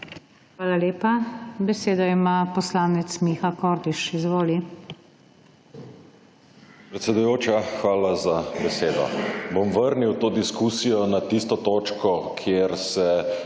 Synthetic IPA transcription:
xʋaːlaleːpabɛseːd̪ɔimaːpɔslaːnɛt̪smixakɔːɾd̪iʃizʋoːli | pɾɛt̪sɛd̪ujoːt͡ʃaxʋaːlazabɛseːd̪ɔ̰bomʋəɾniwt̪oːd̪iskusijɔnat̪ist̪ɔt̪oːt͡ʃkɔkʰjeɾsɛ

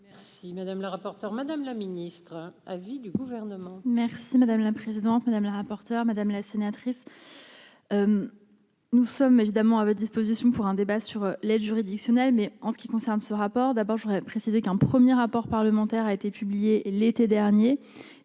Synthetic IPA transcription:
mɛʁsimad̪amləʁapɔʁt̪œʁmad̪amlaminist̪χavid̪yɡuvɛʁnəmɑ̃mɛʁsimad̪amlapχezid̪ɑ̃t̪mad̪amlaʁapɔʁt̪œʁmad̪amlasenat̪χis | øm | nusɔmevid̪amɑ̃avɔt̚d̪ispozisjɔ̃puʁɛ̃d̪ebasyʁlɛd̪ʒyʁid̪iksjɔnɛlmɛɑ̃sə̥kʲikɔ̃sɛʁnsəʁapɔʁd̪abɔʁʒoʁɛpχesizekɛ̃pχəmjeʁapɔʁpaʁləmɑ̃t̪ɛʁaet̪epyblijelet̪ed̪ɛʁnje

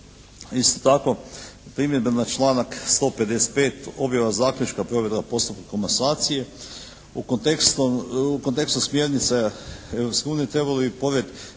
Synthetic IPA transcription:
ist̪ot̪ako̞pɾimjed̪benat͡ʃlˠaːnakst̪o̞ːpe̞d̪e̞se̥t̪̚pe̞ːt̪o̞bjaʋazaːklʲut͡ʃkapɾo̞ʋjed̪kapo̞st̪up̚kakomasaːt̪sije̞ | ukont̪ekst̪oukont̪e̞kst̪usmje̞ɾnit̪see̞vɾopske̞uːnije̞t̪ɾe̞balobipo̞ʋet̪

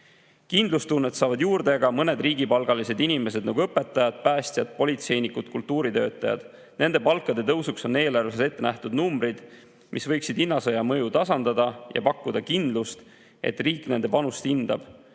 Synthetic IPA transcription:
kind̪lust̪unːet̪sɑːvɑd̪juːrd̪e̞ɡ̥ɑmɤne̞d̪riːɡipɑlɡ̥ɑlise̞d̪inime̞s̬e̞d̪nɑɡuɤpːˑe̞t̪ˑːɑjɑd̪̥̚pæːsʲt̪ʲjɑd̪̥̚po̞lʲit̪se̞jnikːut̪kult̪ːˑuːɾit̪ø̞ːt̪ˑːɑjɑ̰d̪̥ | ne̞nd̪epɑlkːˑɑd̪e̞t̪ɤwsukso̞ne̞ːlɑrve̞sese̞t̪ːe̞næht̪ud̪numbɾid̪̥ | mʔisvɤjksid̪inːɑsɤjɑmɤjut̪ɑsɑnd̪̥ɑd̪ɑjɑ̰pɑkˑːud̪ɑkind̪lust̪ | e̞̰t̪riːkːne̞nd̪e̞pɑnust̪ind̪̥ɑb̥

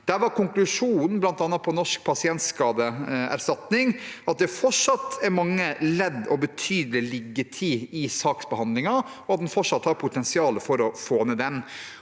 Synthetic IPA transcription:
d̪̥æːɾʋɑɾkʊŋklʉʂuːnnn̩blɑnt̪ɑnːɑt̪̚pʰɔnɔʂk̚pʰɑsɪɛnt̪skɑːd̪əæ̰ɾʂtɑt̪nɪŋɑt̪̚d̪ɛfɔʂɑt̪ːæɾmɑŋːəlɛd̪ːɔbət̪ʰyːd̪əlɪlɪɡːət̪ʰiɪsɑːksbəhɑnd̪lɪŋɑ | ɔɑt̪̚d̪ɛnfɔʂɑt̪ːhɑɾpʰʊt̪ʰɛnsɪɑːləfɔɾɔfoːmed̪ɛm

